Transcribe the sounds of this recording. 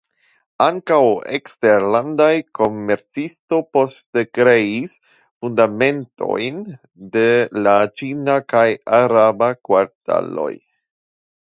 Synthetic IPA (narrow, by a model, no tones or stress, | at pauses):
aŋkawekste̞ɾlandajko̞me̞ɾt͡sisto̞po̞ste̞kɾe̞is | fundame̞nto̞̰jn | de̞lat͡ʃinakajaɾabakwaɾta̰lo̞̰j